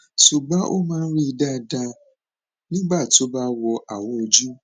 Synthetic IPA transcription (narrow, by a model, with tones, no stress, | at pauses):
ʃu˨ɡ͡ba˨˦ʔo˦mãː˦n̩˦ɾi˦i˧da˦˧dã˧ | nĩ˦ɡ͡ba˦˨ti˨o˦ba˦wɔ˧ʔa˨w̃ɔ̃˧o˧d͡ʒu˦